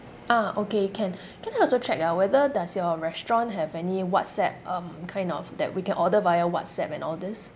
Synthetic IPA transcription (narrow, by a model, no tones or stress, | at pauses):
aokekʰɛ̃n | kʰɛ̃najɔlsot͡ʃʰɛk̚awɛðədasjɔɹɛstɹɔ̃nɦɛvɛniwɔtsɛp̚ʌ̃mkʰãɪ̃ndɔ̰fdɛ̰t̚wikɛ̃nɔdəvajəwɔ̰tsɛpɛ̃nɔldɪs